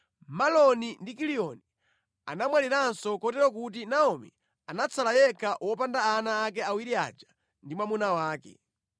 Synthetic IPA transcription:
malɔnindikiliɔni | a̰namwaliɾansɔkɔtɛɾɔk̬ut̬inaɔmḭ | anat͡sʰalajɛkʰawɔpandaːnaːk̬ɛawiɾia̰d͡ʒḁ | ndimwamunawaːkɛ̰

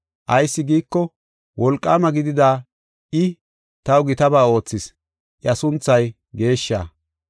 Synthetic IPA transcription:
ʔɐjsːɪɡiːkːɔ | wʔɔlkʼːa̰ːmɐɡɪd̪ɪd̪aː | ʔɪ | t̪ɐwɡɪt̪ɐbaːo̞ːt͡sːɪs | ʔɪɐsʊnt͡sːɐj | ɡe̞ːʃːa̰ː

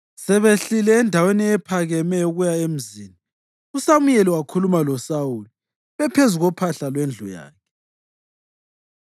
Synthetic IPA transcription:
sɛβeɬilɛːndʱaweniɛpʰaɣɛmɛuɣujaem̩ziːni | usamujɛliwakʰulumalɔsawuli | βɛpʰezuɣɔpʰaɬalwend͡ɮʱɔ̰ja̰ːkʰɛ

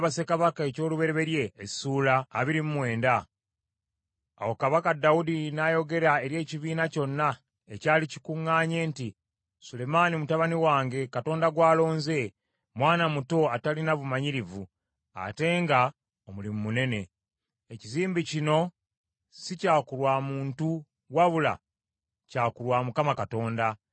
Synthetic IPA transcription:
βas̬e̞kaβakae̞co̞ːluβe̞ɾe̞βe̞ɾje̞ːsuːlaːβiɾimumwe̞ːnda | wokaβakadawudinajo̞ɡe̞ɾae̞ɾje̞ːciβiːnaco̞nːa | ecaːlici̥kuŋːaːɲe̞ːnti | sule̞manimutaβaniwaːŋɡe̞kato̞ːndaɡwaːlo̞ːnze̞ | mwaːnamuto̞atalinaβumaɲiɾivu | a̰te̞ːŋɡa | omulimumune̞ne̞ | eciziːmbicino̞ | sicaːkuɾwaːmuːntu | waβula̰ | caːkuɾwaːmukamakato̞ːnda

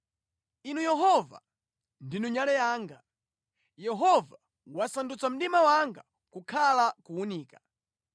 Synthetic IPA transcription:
inujɛɦɔva̰ | ndinuɲalɛjaːŋɡa | jɛɦɔva | wasandut͡sam̩ɗimawaŋɡa | kukʰalakuːniːka

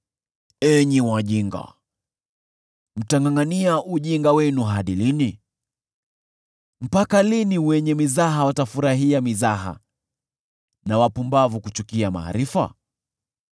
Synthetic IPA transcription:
ɛɲiwaʄiŋɡa̰ | m̩taŋaŋaniaʔuʄiŋɡawɛnuɦaɗilini | m̩pakaliniwɛɲɛmizaɦawatafuɾaɦiamizaɦa̰ | nawapumbavukut͡ʃukiama̰ːɾifa̰

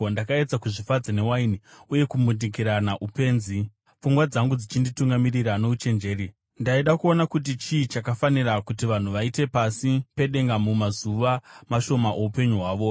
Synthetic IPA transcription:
ndakae̞d͡zakuʐifad͡zane̞wainiuje̞kumundik̬iɾanaʔupe̞ːnzi | p͡fuŋɡwad͡zaŋɡud͡zit͡ʃindituŋɡamiriɾano̞ut͡ʃe̞nd͡ʒe̞ːɾi | ndaiɗakuo̞nakut̬it͡ʃiːt͡ʃakafanirakutiʋan̤uʋaite̞pasipe̞ɗe̞ŋɡamumazuʋamaʃo̞maʔoupe̞ɲuɦwaːʋo̞

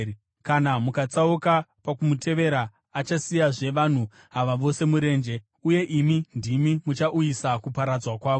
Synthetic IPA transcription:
kanamukat͡saukapakumutʰe̞ʋe̞ɾaː | t͡ʃasijaʐe̞ʋan̤u | ɦaʋaʋo̞se̞muɾe̞ːnd͡ʒe̞ | uje̞ʔimindimimut͡ʃaʔujisakupaɾad͡zwakwaːʋo

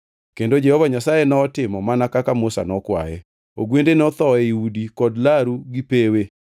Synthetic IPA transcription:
kendod͡ʒɛhɔvaɲasajenɔːtɪmɔmanakakamʊsa̰nɔkwa̰jɛ̰ | oɡwendenɔt̪ɔɛiudikɔdlaɾuɡipewe

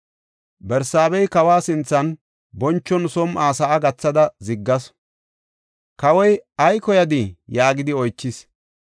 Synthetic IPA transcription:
bɛɾsaːbɛjkɐwaːsɪnt͡sːɐn | bɔnt͡ʃːɔnsɔmaːsɐʔːɡɐt͡sːɐd̪ɐzɪɡːɐs | kɐwɔjɐjkɔjɐd̪ɪjaːɡɪd̪ɪɔjt͡ʃːɪs

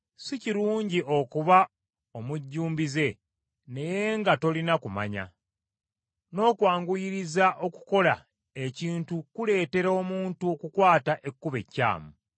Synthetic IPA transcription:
siciɾuːɲɟiʔo̞kuβa | omuɟːuːmbize̞ | ne̞je̞ŋɡato̞linakuma̰ɲa̰ | no̞ːkwaːŋɡujiɾizaʔo̞ku̥ko̞la | eciːntukule̞ːte̞ɾo̞ːmuːntuokukwaːtaʔe̞kːuβe̞̰cːa̰ːmu

